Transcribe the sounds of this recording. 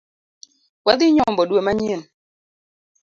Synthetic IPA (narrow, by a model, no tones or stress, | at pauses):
wad̪ɪɲɔmbɔdwemaɲen